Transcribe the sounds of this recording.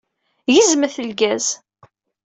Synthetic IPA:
jizməθəlɡæz

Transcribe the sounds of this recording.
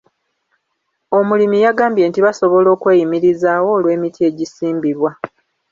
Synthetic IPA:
o̞mulimijaɡaːmbje̞ːntiβaso̞βo̞lo̞ːkweːjimiɾizaːwo̞ːlwe̞ːmitʰie̞ɟisiːmbiɾwa

